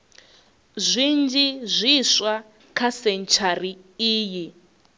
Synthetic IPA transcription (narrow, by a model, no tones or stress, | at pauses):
zʷind͡ʒizʷiswa | kʰasɛnt͡ʃʰariiːji